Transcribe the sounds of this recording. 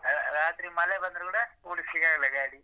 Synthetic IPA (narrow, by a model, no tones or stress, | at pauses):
ɾaːt̪ɾimɐlebɐnd̪ɐɾukuːɽɐpoːlisiɡaːɡɐlɛɡaːɽi